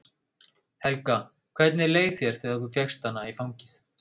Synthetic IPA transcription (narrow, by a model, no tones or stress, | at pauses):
hɛlka | kʰv̥ɛt̪nɪleːjθθjɛɾ̥θɛːɣaɾθufjɛxst̪anːaifawɲcɪθ